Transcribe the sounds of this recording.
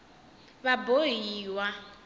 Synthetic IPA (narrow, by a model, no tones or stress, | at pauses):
βabojiwa